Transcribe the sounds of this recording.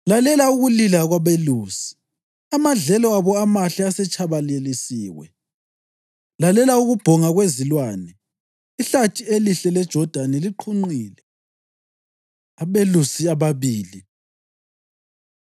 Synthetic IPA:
lalɛlauɣulilaɣwaβeluːsi̥ | amaɮɛlɔaβɔamaɬiasɛt͡ʃʰʼaβalelisiːwɛ̰ | lalɛlauɣub̥ʱɔŋaɣwezilwaːnɛ | iɬatʼieliɬɛlɛd̥ʒ̥ʱɔd̥ʱanɛliǃʰuŋ͡ǃiːlɛ | aβelusiaβaβiːli

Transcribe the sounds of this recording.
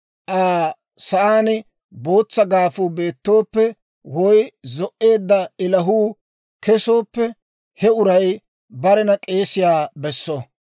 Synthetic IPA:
ʔaː | sɐʔaːnɪ | bo̞ːt͡sːɐɡaːfuːbe̞ːt̪ːo̞ːpːɛ | wɔjzɔʔːe̞ːd̪ːɐɪlɐɦuː | kɛso̞ːpːɛ | hɛʊɾɐj | bɐɾɛnɐkʼe̞ːsɪjaːbɛsːɔ

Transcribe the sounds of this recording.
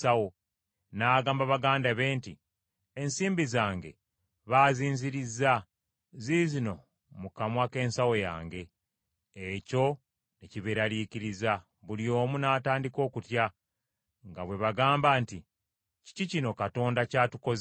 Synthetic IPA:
sawo | naːɡaːmbaβaɡaːndaβe̞ːnti | ensiːmbizaːŋɡe̞ | βaːziːnziɾizːa | zizino̞ | mukamwake̞ːnsawo̞ja̰ːŋɡe̞ː | co̞ | neciβeɾaliːciɾiza | βulio̞ːmunaːtaːndiko̞ːkutja | ŋɡaβwe̞βaɡaːmbaːnti | ci̥cicino̞kato̞ːndacaːtuko̞z

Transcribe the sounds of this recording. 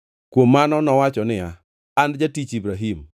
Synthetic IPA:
kwomːanɔnɔwat͡ʃɔnɪa | andd͡ʒatit͡ʃibɾaɦim

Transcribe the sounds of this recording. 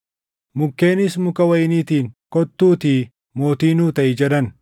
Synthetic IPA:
mʊkːeːnɪsmʊkɐwɐjniːt̪iːŋkɔt̪ːuːt̪i | mo̞ːt̪iːnuːt̪ɐʔɪd͡ʒɛd̪ɐn

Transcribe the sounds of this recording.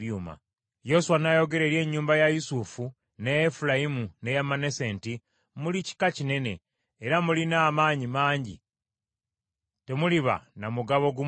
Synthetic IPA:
juːma̰ | jo̞suwanajo̞ɡe̞ɾe̞ɾje̞ːɲːuːmbajajusufu | neefulajimune̞jamane̞se̞ːnti | mulici̥kacine̞ne̞ː | ɾamulinaːmaːɲimaːɲɟḭ | te̞muliβa̰namuɡaβo̞ɡu

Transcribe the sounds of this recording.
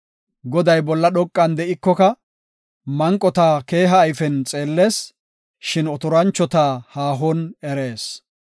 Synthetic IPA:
ɡɔd̪ɐjbɔlːɐɗɔkʼːɐnd̪ɛʔɪkːɔkɐ | mɐŋkʼːɔt̪aːke̞ːɦɐːjfɛnt͡sʼeːlːe̞ːs | ʃɪnɔt̪ʊɾɐnt͡ʃːɔt̪aːhaːɦɔnɛɾe̞ːs

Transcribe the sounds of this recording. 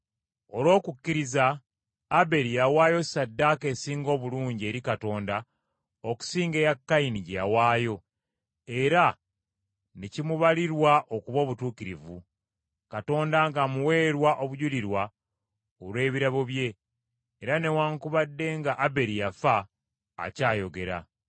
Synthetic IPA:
o̞lwo̞ːkukːiɾizaː | be̞ɾijawaːjo̞sadːaːke̞siːŋɡo̞ːβuluːɲɟie̞ːɾikato̞ːnda | oku̥siːŋɡejakːainiɟja̰waːjo̞ | e̞ɾa | necimuβaliɾwaʔo̞kuβo̞ːβutuːkiɾivu | kato̞ːndaŋɡamuwe̞ːɾwaʔo̞βuɟuliɾwa | olwe̞ːβiɾaβo̞βje̞ː | ɾane̞waːŋkuβadːe̞ŋɡaʔabe̞ɾijafa̰ː | caːjo̞ɡe̞ɾa̰

